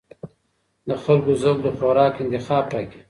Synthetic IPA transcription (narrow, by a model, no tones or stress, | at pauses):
d̪əxalkozoɡ̚d̪əxoɾɑːkɪnt̪ɪxɑːb̚pɑki̥